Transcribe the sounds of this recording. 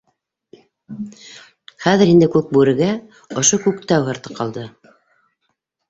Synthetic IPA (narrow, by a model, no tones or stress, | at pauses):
χæðɘ̆ɾind̪ɘkʉk̚bʉɾɘ̆ɡæ | ŏʃokʉkt̪æwɦɤ̆ɾt̪ɤ̥qʰɑlˠd̪ɤ